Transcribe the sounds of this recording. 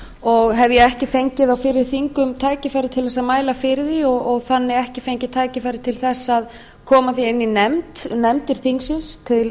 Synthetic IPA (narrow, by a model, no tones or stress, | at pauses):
ɔɣɦɛvjɛɛhcɪfejɲcɪðawfɪɾɪɾθiŋkʏmt̪ʰaːjcɪfajɾɪt̪ʰɪlθɛs̬ːaðmaːjlafɪɾɪðiɔɣɔɣθanːɪɛhcɪfejɲcɪt̪ʰaːjcɪfaːjɾɪt̪ʰɪlθɛsːað | kʰɔːmaθiɪnːinɛmt̪nɛmt̪ɪɾ̥θiŋksɪnst̪ʰɪl